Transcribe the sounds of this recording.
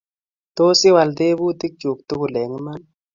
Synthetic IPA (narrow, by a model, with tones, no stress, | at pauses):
to˦si˦wa˨ld̪e˦bu˦t̪i˦k̚d͡ʒu˨k̚t̪u˦ku˨lɛ˨ŋi˦ma˦n